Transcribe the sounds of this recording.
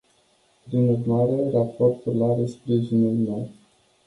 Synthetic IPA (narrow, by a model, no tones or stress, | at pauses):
pɾinurmaɾe̞rapo̞rt̪urlaɾespɾiʒinulmew